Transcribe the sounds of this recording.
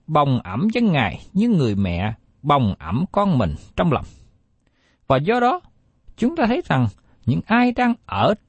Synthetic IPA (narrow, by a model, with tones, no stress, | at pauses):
ɓa˨˩wŋ͡mʔaə˧˩mzə˧nŋaː˨˩jɲɨ˧ŋɨ˨˩əjmɛ̰˧˨ | ɓa˨˩wŋ͡mʔə˧˩mkɔ˧nmï˨˩ŋ̟t͡ɕɔ˧wŋ͡mla̰˨˩wŋ͡m | vaː˨˩zɔ˧ɗɔ˨˦ | t͡ɕʊ˨˦ŋ͡mt̪aː˧t̪ʰə˨˦jza˨˩ŋ | ɲɨ̰˧˥ŋʔaː˧jɗaː˧ŋʔəː˧˩